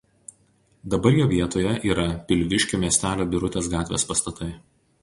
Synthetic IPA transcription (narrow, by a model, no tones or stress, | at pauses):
d̪ɐbɐɾjoːʋʲiɛt̪oːjɛʔiːɾɐpʲɪlʲʋʲɪʃʲkʲoːmʲiɛsʲt̪ʲæːlʲoːbʲɪɾʊt̪ʲeːs̬ɡɑːt̪ʲʋʲḛːspɐst̪ɐt̪ɐɪ